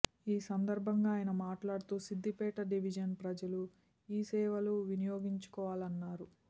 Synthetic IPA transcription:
iːsɐnd̪ɐɾbʱɐŋɡaːjɐnɐmaːʈlaːɽut̪uːsid̪ːipɛːʈɐɖiʋid͡ʒɐnpɾɐd͡ʒɐlu | iːsɛːʋɐluʋinijoːɡiɲt͡ʃu̥kɔːʋaːlɐnːaːɾu

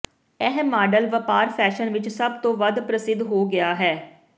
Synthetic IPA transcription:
ɛɦɛmːaːɖəlʋəpaːɾpʰɛːʃənʋɪt͡ʃsəbt̪õːʋəd̪pɾəsɪd̪ɦoːɡɪaːɦɛː

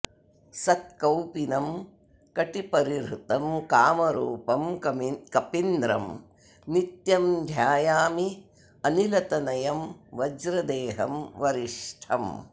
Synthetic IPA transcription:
sɐt̪̚kɐwpinɐm | kɐʈipɐɾiɾut̪ɐmkaːmɐɾṵːpɐmɐkɐpind̪ɾɐ̰m | nit̪jɐmd̪ʱjaːjaːmi | ɐnilɐt̪ɐnɐjɐmʋɐd͡ʒɾɐd̪eːɦɐmʋɐɾiʂʈʰɐ̰m

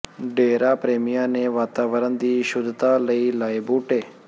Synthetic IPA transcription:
ɖeːɾapɾeːmɪjãːneʋaːt̪aːʋəɾənd̪iːʃʊd̪t̪aːləilaːibuːʈeː

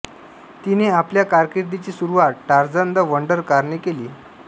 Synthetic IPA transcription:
t̪ineapljakaɾkiɾd̪it͡ɕiːsuɾuʋat̪̚ʈaɾd͡zənd̪əʋəɳɖəɾkaɾɳekeliː

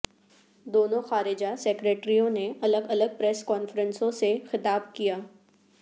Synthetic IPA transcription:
d̪oːnõxaːɾɪd͡ʒasɛkɾeːʈɾijõneɐləɡɐləɡ̚pɾɛskɔːnfəɾə̃nsõsexɪt̪aːb̚kijaː

